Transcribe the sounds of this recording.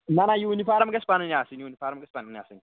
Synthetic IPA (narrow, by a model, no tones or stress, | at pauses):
nanajiwunifaɾamɡɛspaniniasiniwunifaːɾɐmɡɛspaninia̰sini